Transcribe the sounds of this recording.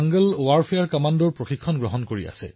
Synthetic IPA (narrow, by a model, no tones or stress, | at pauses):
aŋɡəlwaɹfʰejaɹkamandɔɹpɹoxikʰːɔnɡɹɔɦɔnkoɹḭa̰sɛ̰